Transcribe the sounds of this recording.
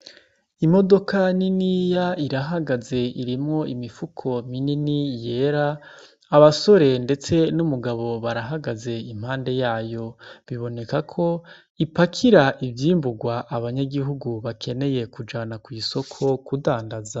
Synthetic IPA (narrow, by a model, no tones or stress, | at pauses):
imo̞do̞kaninijaiɾaɦaɡaze̞iɾimŋo̞ʔimifukʰo̞mininije̞ːɾaː | βaso̞ɾe̞nde̞t͡se̞numuɡaβo̞βaɾaɦaɡaze̞im̥haːnde̞jaːjo̞βiβo̞ne̞kakʰo̞ | ipakʰiɾaʔivjiːmbuɡwaʔːβaɲaɡiɦuɡuβakʰe̞ne̞je̞kud͡ʒaːnakwiso̞kʰo̞kudaːndaza